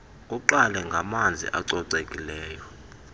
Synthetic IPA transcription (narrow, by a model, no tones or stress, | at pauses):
uǃalɛŋɡʱamand͡zʱḭʔa̰ǀɔǀekʼilɛːjɔ